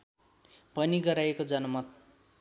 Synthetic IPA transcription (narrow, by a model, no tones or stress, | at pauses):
pʌniɡʌɾajekod͡zʌnʌmʌt̪̚